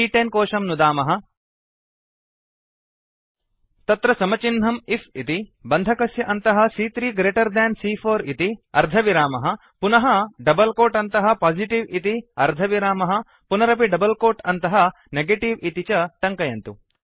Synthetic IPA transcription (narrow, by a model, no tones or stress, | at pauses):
iːʈenkoːʂɐmnud̪aːmɐɦɐ̆ | t̪ɐt̪ɾɐsɐmɐt͡ʃinɦɐmipʰit̪ibɐnd̪ʱɐkɐsjɐʔɐnt̪ɐɦɐsiːt̪ɾiːɡɾeːʈɐɾd̪ɛːnsiːpʰoːɾit̪iɐɾd̪ʱɐʋiɾaːmɐɦɐ̆ | punɐɦɐɖɐbɐlkoːʈɐnt̪ɐɦɐpaːd͡ʒiʈiʋit̪iɐɾd̪ʱɐʋiɾaːmɐɦɐ̆ | punɐɾɐp̬iɖɐbɐlkoːʈɐnt̪ɐɦɐ | neɡeʈiʋit̪it͡ʃɐʈɐŋkɐjɐnt̪u